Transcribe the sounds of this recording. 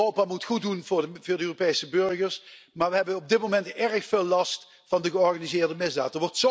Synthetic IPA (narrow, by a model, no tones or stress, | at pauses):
owpaːmutχut̚dunvʊːvʊːɹdəøːropejsəbɵrɣəɹs | maːɹʋəɦɛbənɔb̚dɪt̚momɛntɛɹəxfɪːlˠːɑst | fɑndəɣəɔrɣanizɪːrdəmɪzda̰ːtəɹʋɔrtso